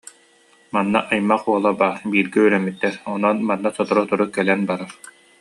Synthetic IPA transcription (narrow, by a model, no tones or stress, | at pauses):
manːaʔajmːaχuɔlˠabaːɾbiːɾɡɛyɾɛmːit̪ːɛɾɔnɔnmanːasɔt̪ɔɾɔt̪uɾukɛlɛnbaɾaɾ